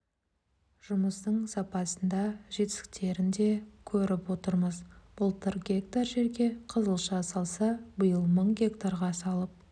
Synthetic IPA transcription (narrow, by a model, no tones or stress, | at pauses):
ʒ̥ʊməst̪əɴsɑpɑsənd̪ɑʒe̞t̪ɪ̥sɪ̥k̚t̪ʰe̞ɾɪnd̪e̞kʲʰɵɾɪpwo̞t̪əɾməzb̥ʊlˠt̪ʰəɾɡʲe̞kt̪arʒe̞ɾɡʲe̞qʰəzəlˠʃɑsɑlˠsɑbəjəlˠməɴɡʲe̞kt̪aɾʁɑsɑlˠəp̚